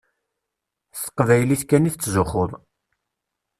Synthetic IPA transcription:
sə̥qːvæjliθkæniθt͡sːzʊχoðˤ

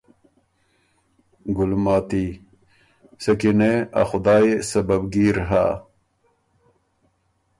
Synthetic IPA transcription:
ɡulmaːt̪i | sɐkineɐ̰xʊd̪aːesɐbɐbɡiːɾɦa̰

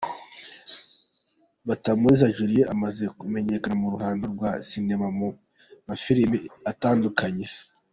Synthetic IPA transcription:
βatamuɾizaʒuɾijeʔamaze̞kume̞ɲe̞kanamuɾuhaːndoɾɡwasine̞mamu | mafiɾimiataːndukaɲe̞

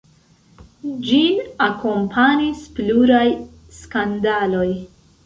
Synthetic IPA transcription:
d͡ʒinako̞mpʰanispluɾaj | skandalo̞j

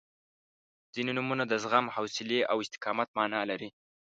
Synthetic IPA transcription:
z̥inenumunad̪əzɣamhawsɪleʔawɪst̪ɪ̥kɑmat̪̚mɑnɑlaɾi

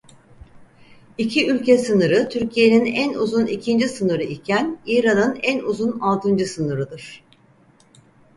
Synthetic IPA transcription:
icʰiylʲcesɯnɯɾɯt̪ʰyɾcʰije̞ninænuzunicʰind͡ʒisɯnɯɾɯʔicʰæniːɾanɯnænuzunalˠt̪ʰɯnd͡ʒɯsɯnɯɾɯd̪ɯɾ̥

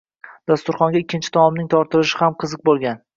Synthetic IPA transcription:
d̪̥ast̪ʊɾχɒŋɡʲaɪkʲːɪnt͡ʃʰɪ̥t̪ʰɒmmnɪŋt̪ʰɒɾt̪ʰɪlɪʃɪhamqʰɨzɨq̚bolˠɡʲan

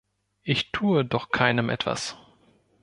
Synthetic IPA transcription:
ʔɪçtʰuːədɔχkʰaɪnəmʔɛ̰tv̥a̰s

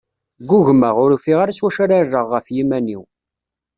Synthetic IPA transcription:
ɡʷːʊʝməʁʊɾufiʁaɾaswæʃaɾarːəʁːəfjimæniw

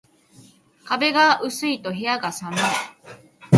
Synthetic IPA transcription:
kabe̞ɡaʔɯ̟sɨit̪o̞ɦiaɡasanai

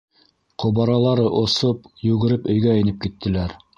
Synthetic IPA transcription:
qʰŏβɑɾɑlˠɑɾɤʔŏsopjʉɡɘ̆ɾɘpɵ̆jɡæɘ̆nɘp̚kit̪ːɘ̆læɾ

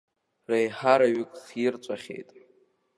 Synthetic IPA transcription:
rejħaɾaɥɪkʼχjɪrt͡sʷʼaχʲḛjtʼ

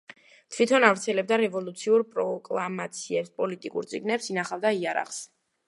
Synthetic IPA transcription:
t̪ʰvit̪ʰɔnavɾt̪sʰɛlɛb̚d̪aɾɛvɔlˠut̪sʰiuɾpʼɾɔkʼlˠamat̪sʰiɛpspʼɔlit̪ʼikʼṵɾt̪sʼiɡnɛpsinaχavd̪aiaɾa̰χs

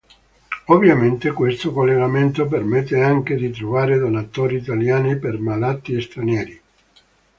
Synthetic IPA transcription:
ovːjament̪ekwest̪okolːeɡament̪op̬ermet̪ːeaŋk̟ed̪it̪̬ɾovaːɾed̪onat̪oːɾiːt̪aljaːnipermalat̪ːiest̪ɾanjɛːɾi

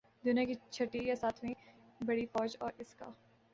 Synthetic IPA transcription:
d̪ʊnjakit͡ʃʰɐʈːijasaːt̪ʰmẽ | bɐɽifɔːd͡ʒɔːɾɪska̰ː

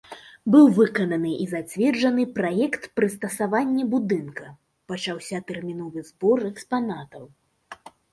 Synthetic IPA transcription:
bɨwvɨkɐnɐnɨʔizat͡sʲvʲɛrd͡ʐɐnɨpɾajɛkt̪pɾɨst̪ɐsavanʲːɛbud̪ɨnkɐ | pɐt͡ʂawsʲɐt̪ɛrmʲinɔvɨzbɔrɛkspanat̪ɐw

